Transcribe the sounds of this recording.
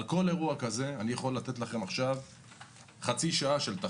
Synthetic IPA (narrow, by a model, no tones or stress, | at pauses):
lko̞le̞ʁuakaze̞anijaχo̞lːat̪e̞t̪laχe̞maχʃav | χat͡siʃaaʃelt̪a